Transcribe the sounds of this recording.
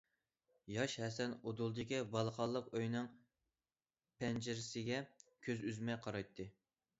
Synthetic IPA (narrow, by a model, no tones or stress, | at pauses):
jɑʃhɛsɛnod̪ulˠd̪ɨkʲibɑlˠχʰɑlˠːəqøjnɨŋ | pʰɛnd͡ʒɪɾɪsɪɡʲɛkʲʰøzyzmɛjqʰɑɾɑjt̪ʰːɨ